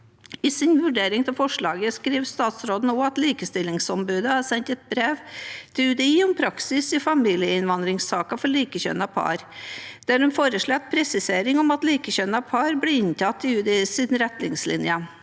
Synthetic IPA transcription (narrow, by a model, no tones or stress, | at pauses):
ɪsɪnʋʉɖeːɾɪŋt̪ʰɪlfɔʂɭɑːɡəskɾiːʋst̪ɑːt̪sɾoːd̪n̩oːɑt̪liːkəst̪ɪlɪŋsɔmbʉːd̪əɑɾsɛnt̪ɛt̪̚bɾeːʋt̪ʰɪʉːd̪ɛiːɔmpʰɾɑksɪsɪfɑmiːlɪəɪnʋɑnd̪ɾɪŋsɑːkɑfɔɭiːkəçœ̰nɑpʰɑ̰ːɾd̪̥æɾhʉnfoːɾəʂɭɛt̪pʰɾɛsɪseːɾɪŋɔmɑt̪liːkəçœnɑpʰɑɾblɪɪnt̪ʰɑt̪ːɪʉːd̪ɛiːsiːd̪n̩ɾɛt̪nɪ̰ŋslɪ̰njə